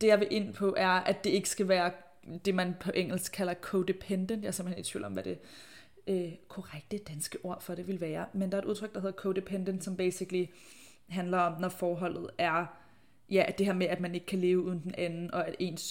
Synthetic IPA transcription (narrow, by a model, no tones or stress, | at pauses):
d̥e̝jɑ̈ɪʋe̝ʔe̝n̰pʰɒ̽ʔæɐæ̥e̝e̝ɡ̥ə̥sɡ̥æʋæːɐ | d̥e̝mænpʰɒ̽ʔeŋ̰l̩sɡ̥̚kʰːælɐkʰod̥e̝pʰend̥ənd̥jɑ̈ɐsem̥̩hene̝̥t͡sʰʋḭːlɒ̽mʋæɾ̥e̝ | økʰɔʁaɡ̥̚d̥əd̥ænsɡ̥əʔo̝ɐ̰fɒ̽ɾe̝ʋe̝lʋæːɐmend̥ɑ̈ɐe̥uð̞ˠt͡sʰʁœɡ̥d̥ɑɦe̝ðˠɐkʰod̥epʰend̥ənd̥sɒ̽mb̥ḛːsiɡ̥li | ɦænlɐɒ̽mnɒfɒːɦɒ̽l̰ð̞̩ˠæɐ | jæd̥e̝heɐ̰meæd̥mæne̝ɡ̥ə̥kʰæle̝ːʊuːðˠn̩d̥enʔænn̩ɒ̽æd̥e̝̰ːns